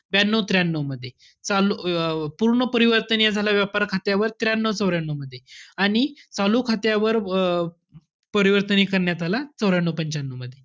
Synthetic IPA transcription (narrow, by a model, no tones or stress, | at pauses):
banːəʋt̪ɾjanːəʋməd̪ʱːje | t͡salupuɾɳəpəɾiʋəɾt̪ənijad͡zʱalaʋjapaɾkʰat̪jaʋəɾt̪ɾjanːəʋt͡səʋɾjanːəməd̪ʱːjeaɽ̃it͡saluːkʰat̪jaʋəɾ | pəɾiʋəɾt̪ənikəɾɳjat̪alat͡səwɾjaɳːəpəɲt͡ɕanːəməd̪ʱje